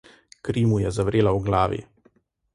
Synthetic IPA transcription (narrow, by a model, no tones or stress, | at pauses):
kɾiːmujɛzaʋɾeːlawɡlaːʋḭ